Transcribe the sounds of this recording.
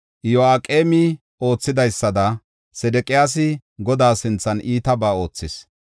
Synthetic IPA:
jɔaːkʼe̞ːmɪ | o̞ːt͡sːɪd̪ɐjsːɐd̪ɐ | sɛd̪ɛkʼɪjaːs̬ɪ | ɡɔd̪aːsɪnt͡sːɐnʔiːt̪ɐbaːo̞ːt͡sːɪs

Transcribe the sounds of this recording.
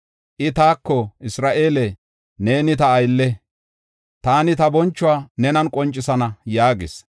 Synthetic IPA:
ʔɪt̪aːkːɔʔɪsɾaːʔe̞ːlɛ | ne̞ːnɪt̪ɐːjlːɛ | t̪aːnɪt̪ɐbɔnt͡ʃːʊaːnɛnɐnkʼɔnt͡ʃʼːɪsɐnɐjaːɡɪs

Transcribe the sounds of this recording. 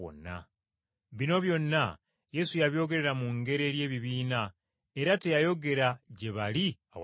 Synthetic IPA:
o̰nːa̰ | βino̞βjo̞nːa | je̞sujaβjo̞ːɡe̞ɾe̞ɾamuŋɡe̞ɾe̞ːɾje̞ːβiβiːna | e̞ɾate̞jajo̞ɡe̞ɾaɟe̞βaliaw

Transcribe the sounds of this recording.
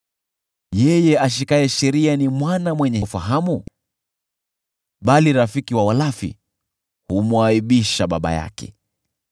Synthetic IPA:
jɛjɛaʃ̬ikaɛʃɛɾianimwanamwɛɲɛfaɦamu | ɓaliɾafikiwawalafḭ | humwaiɓiʃaɓaɓa̰ja̰kɛ̰

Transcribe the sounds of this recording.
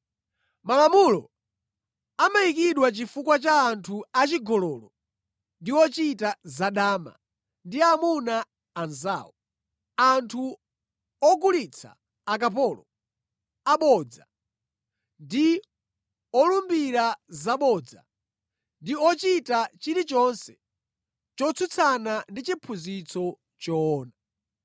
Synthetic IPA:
malamulɔ̰ | amaikiɗwat͡ʃifukwat͡ʃaːntʰuat͡ʃiɡɔlɔlɔ | ndiwɔt͡ʃitazaɗaːma̰ | ndiamunaː | nza̰ːwɔ | antʰu | ɔɡulit͡sʰa̰ː | k̬ap̬ɔlɔ | aɓɔd͡za̰ | ndi | ɔlumbiɾazaɓɔd͡za̰ | ndiɔt͡ʃitat͡ʃiɾit͡ʃɔnsɛ | t͡ʃɔt͡sʰut͡sʰanandit͡ʃipʰuzit͡sʰɔ | t͡ʃɔːna

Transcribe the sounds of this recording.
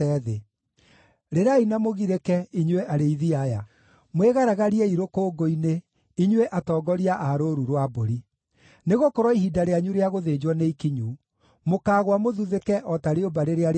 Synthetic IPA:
ɛðe | ɾeɾainamoɣiɾekɛiɲweʔaɾeiðiaja | mweɣaɾaɣaɾiɛiɾokoːɡoine | iɲweʔatɔːɡɔɾiaʔaɾoɾuɾwaboɾi | neɣokoɾwɔiɦidaɾeaɲuɾeaɣoðed͡ʒwɔneikiɲu | mokaːɣwamoðuðekɛʔɔtaɾeobaɾeɾeaɾ

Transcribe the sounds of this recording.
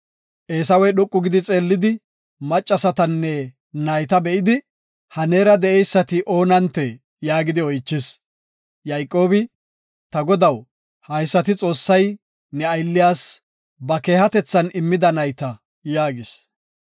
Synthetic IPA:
ʔeːsɐwɛjɗʊkʼːʊɡɪd̪ɪt͡sʼe̞ːlːɪd̪ɪ | mɐt͡ʃʼːɐsɐt̪ɐnːɛ | nɐjt̪ɐbɛʔɪd̪ɪ | hɐneːɾɐd̪ɛʔɛjsːɐt̪ɪʔo̞ːnɐnt̪ːɛ | jaːɡɪd̪ɪɔjt͡ʃːɪs | jɐjkʼːo̞ːbɪ | t̪ɐɡɔd̪ɐw | hɐjsːɐt̪ɪt͡sʼo̞ːsːɐj | nɛɐjlːɪjaːs | bɐke̞ːhɐt̪ɛt͡sːɐnɪmːɪd̪ɐnɐjt̪ɐ | jaːɡɪs

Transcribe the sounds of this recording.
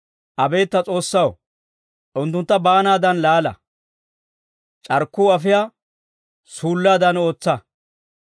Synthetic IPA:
ʔɐbe̞ːt̪ːɐt͡sʼo̞ːsːɐw | ʔʊnt̪ːʊnt̪ːɐbaːnaːd̪ɐnlaːlɐ̰ | t͡ʃʼɐɾkːuːɐfɪjaː | suːlːaːd̪ɐno̞ːt͡sːɐ

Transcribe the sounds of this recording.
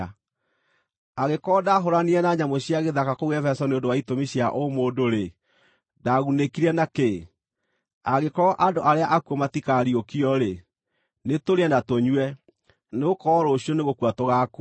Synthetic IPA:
aɣekɔːdaɦoɾaniɛnaɲamoɕiaɣeðakakowɛfɛsɔneondowaitomiɕiaʔomoːdoɾe | daɣunekiɾɛnake | aɣekɔɔʔadoʔaɾeaʔakuomatikaɾiokiɔɾe | netoɾeɛnatoɲuɛ | neokɔːɾoɕiɔneɣokuatoɣak

